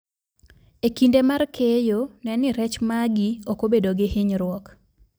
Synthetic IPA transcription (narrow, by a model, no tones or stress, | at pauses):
ekindemarkʰejonɛnɪɾɛt͡ʃmaɡiokobedoɡɪhɪɲɾwɔk